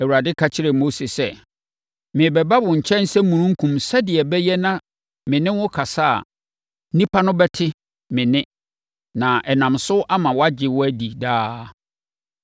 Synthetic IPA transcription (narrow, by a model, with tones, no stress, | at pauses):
æ˨wu˨ɾa˨dɪ˦kʰa˨t͡ɕʰɪ˦ɾɛ˨mo˦se˨sɛ˨ | mɪ̃˨bɛ˨ba˦bʊ̃˨ɲ̩˨t͡ɕʰɛ̃˦n˦sɛ˦mũ˨nũ˦ŋ̩˦kʰũ˨msɛ˦dɪ˨ɛ˨bɛ˦jɛ˦nã˦ | mɪ̃˨nɪ̃˦wʊ˦kʰa˨saː˦a̰˨˦ | nĩ˦pʰa˦nʊ̃˦bɛ˦tʰɪ˦ | mɪ̃˨nɪ̃˦ | nã˨ʔɛ˨nã˨msʊ˦ʔa˦mã˨wɔ˦a˦d͡ʑɪ˨wɔ˦æ˦di˨daː˦